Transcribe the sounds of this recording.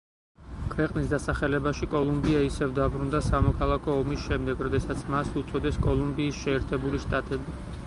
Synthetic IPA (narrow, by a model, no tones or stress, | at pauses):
kʰvɛqʼnisd̪asaχɛlɛbaʃikʼɔlˠumbiaisɛvd̪abɾund̪asamɔkʰalˠakʰɔːmisʃɛmd̪ɛɡɾɔd̪ɛsat̪sʰmasut̪sʼɔd̪ɛskʼɔlˠumbiːsʃɛːɾt̪ʰɛbuliʃt̪ʼat̪ʼɛbi